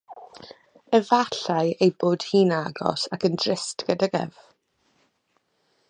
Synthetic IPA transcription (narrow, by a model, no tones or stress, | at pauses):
əvaɬajejboːd̥hiːnaɡɔ̰sakəndrɪstɡ̥ədaɡɛ̰v̥